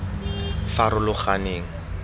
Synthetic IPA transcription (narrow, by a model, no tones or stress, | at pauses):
faɾʊlʊχaneːŋ̩